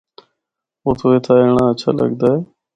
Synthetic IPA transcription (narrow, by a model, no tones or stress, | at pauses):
oːt̪ʰoːeːt̪ʰaːeːɳãːət͡ʃʰa̰ːlə̰ɠd̪aːɦeː